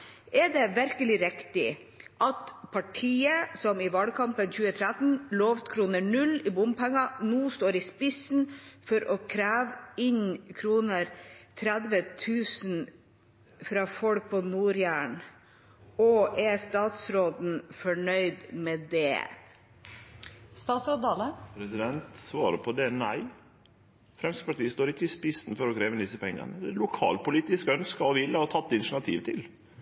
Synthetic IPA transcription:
ɛɖɛʋæɾkəlɪɾɪkt̪ɪʔɑt̪pʰɑʈʰiːəsɔmɪʋɑlkʰɑmpənçʉːət̪ʰɾæt̪n̩loːʋt̪kʰɾuːnəɳʉlɪbʊmpʰɛŋːɑnuːst̪oːɾɪspɪsn̩fɔɾʔɔkʰɾæːʋɪɲkʰɾuːnəɾt̪ʰɾæd̪ʋət̪ʰʉːsn̩ | fɾɑfɔlk̚pʰɔnuːɾjæːɳ | ɔʔɛst̪ɑːt̪sɾoːd̪n̩fɔɳœʏd̪mɛd̪ɛ̰ | st̪ɑːsɾɑd̪ɑːləpʰɾɛsɪd̪ɛnt̪sʋɑːɾəpʰɔd̪ɛnæɪ | fɾɛmspɑʈiːəst̪oːɾɪkːəɪspɪsn̩fɔɾɔkʰɾeːʋənd̪ɪsːəpʰɛŋːə̰nəɛlʊkʰɑ̰ːlpʊliːt̪ɪskœnskɑɔʋɪlːəɔt̪ʰɑt̪ːɪnɳɑt̪ʰḭːʋt̪ʰɪl

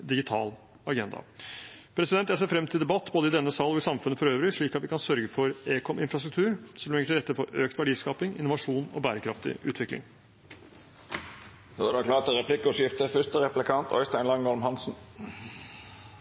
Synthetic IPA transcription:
d̪ɪɡɪt̪ʰɑ̰ːl | ɑɡɛnd̪ɑ̰pʰɾɛsɪd̪ɛnt̪ːjæseːɾfɾɛmt̪ʰɪld̪ɛbɑt̪ːboːd̪əɪd̪ɛnːəsɑːlɔɪsɑmfʉnːəfɔɾøːʋɾɪʂɭiːkɑt̪ʋɪkɑnsœɾɡəfɔɾeːkʰɔmɪnfɾɑst̪ɾʉkt̪ʰʉːɾsɔmɛŋəʈʰɪlɾɛt̪ːəɾfɔɾøːkt̪ʋæɖiːskɑːpɪŋɪ̰nːʊʋɑʂuːnɔ̰bæːɾəkʰɾɑft̪ɪ̰ʔʉ̰ːt̪ʰʋɪklɪ̰ŋ | d̪oːædɛklɑːt̪əɾɛpʰlɪkːʊʂjɪft̪əfʏst̪əɾɛplɪkʰɑnt̪ʰœ̰ʏst̪æɪnlɑŋɔlmhɑnsn̩

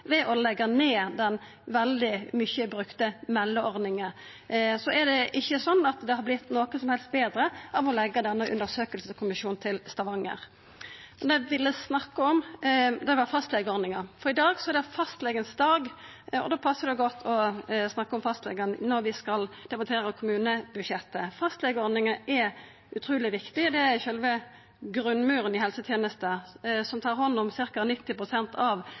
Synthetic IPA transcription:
ʋɛʔɔlɛɡːɑneːd̪ɛn | ʋɛld̪ɪmʏçːəbɾʉkt̪əmɛlːəɔɾd̪nɪŋə | sɔʔɛɾɖ̪ɛʔɪçːəsɔnːɑt̪d̪ɛhɑɾblɪt̪ːnoːkənsɔmhɛlst̪̚beːd̪ɾəʔɑʋɔlɛɡːɑd̪ɛnːəʔʉ̰nd̪əʁsøːkəlsəskʰʊmɪʃuːnt̪ʰɪlst̪ɑʋɑŋːə̰ɾ | mɛnd̪ɛʋɪlːəsnɑkːəɔmd̪ɛʋɑfɑst̪lɛɡəɔɾnɪŋɑfɔɾɪd̪ɑːɡsɔɛd̪ɛfɑst̪lɛɡənsd̪ɑːɡ | ɔ̰d̪oːpʰɑsːəʁd̪ɛɡɔt̪ːʰɔsnɑkːəɔmfɑst̪lɛ̰ɡɑnnɔɾʋɪskɑld̪̥ɛbɑnt̪ʰeːɾəkʰʊmʉːnəbʉd̪ʃɛt̪ːəfɑst̪lɛɡəɔɾd̪nɪŋəɛɾ | ʉt̪ʰɾuːlɪʋɪkt̪ɪd̪ɛæɾçœlʋə | ɡɾʉnːmʉːɾənɪhɛlsət̪ʰjeːnəst̪əsɔmt̪ʰɑːɾhɔnːʊmsɪɾkɑnɪt̪ːɪpʰʁʊsɛnt̪ʰɑʋ

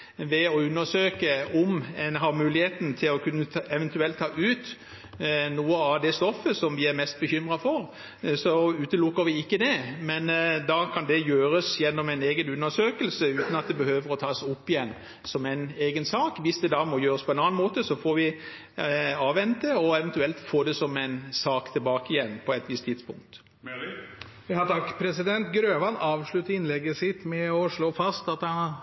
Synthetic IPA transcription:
ʋɛɔʉnːəsøːkəɔmɛnɦɑmʉːlɪheːt̪n̩t̪ʰɪlɔkʰʉnːəɛʋɛnt̪ʉɛlt̪ʰːɑːʔʉːt̪ | nuːəɑʋd̪ɛst̪ɔfːəsɔmʋɪæɾmɛst̪̚bəçʏmɾɑfɔɾ | sɔʉːt̪əlʊkːəɾʋɪɪkːəd̪ɛmɛnd̪ɑkʰɑnd̪ɛjøːɾəsjɛnːɔmæɪneːɡənʉnːəʂøːkəlsəʉːt̪n̩ɑt̪̚d̪ɛbəhøːʋəɾɔt̪ʰɑːsʊpːɪjɛnː | sɔmæɪneːɡənsɑːkʋɪsd̪ɛd̪ɑmɔjøːɾəspʰɔɛɪnɑːnmoːt̪əsɔfɔɾʋɪ | ɑːʋɛnt̪ːəɔɛʋɛnt̪ʉɛlt̪foːd̪ɛsɔmæɪnsɑːkt̪ʰɪlbɑːkəɪjɛnːpʰɔɛt̪ʋɪst̪ʰːɪd̪spʊŋk̚t̪ | ɪhɑt̪ʰɑkːpʰɾɛsɪd̪ɛnt̪ɡɾøːʋɑnɑːʋʂɭʉt̪ːəɾɪnlɛɡːəsɪt̪mɛɔʂɭoːfɑst̪ɑt̪hɑn

